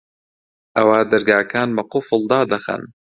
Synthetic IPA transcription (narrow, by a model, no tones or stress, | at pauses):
ʔɐwaːd̪ɐɾɡaːkʰaːnbɐqʊfəlˠd̪aːd̪ɐxɐ̰n